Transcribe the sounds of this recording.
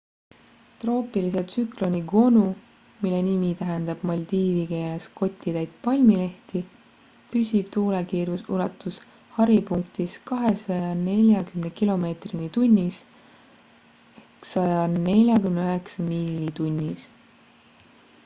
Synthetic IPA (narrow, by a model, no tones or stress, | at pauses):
t̪ro̞ːpiliset̪syklo̞nʲiɡ̥o̞nu | milːe̞nimit̪æɦend̪̥ɑb̥mɑlʲd̪̥iːvike̞ːle̞sko̞t̪ʲːˑit̪æjd̪̥̚pɑlʲmile̞ht̪i | pysʲib̥t̪uːlekiːɾjusulɑt̪ːus | hɑɾipuŋkt̪iskɑɦe̞sɑjɑne̞lʲjɑkymnekilo̞me̞ːt̪rinit̪unʲːis | eksɑjɑne̞lʲjɑkymneyøɦeksɑmiːlit̪unʲːis